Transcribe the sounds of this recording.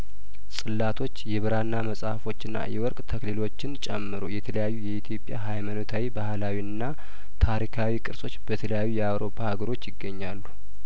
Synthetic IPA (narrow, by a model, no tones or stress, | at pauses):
sʼɨlːat̪ʰo̞t͡ʃːjɛβɨɾanːaməsʼahfo̞t͡ʃːɨnːa̰jɛwɔɾkʼt̪ʰəklilo̞t͡ʃːɪnt͡ʃʼɛmːɨɾo̰jɛt̪ʰələjajːujɛit̪ʰjo̞pʼja̰ɦajmanot̪ʰawibahlawiɨnːa | t̪ʰaɾikʰawikʼɨɾsʼo̞t͡ʃːbət̪ʰələjajːujɛawɾo̞pʰːahaɡəɾo̞t͡ʃːjɪɡːəɲːalːu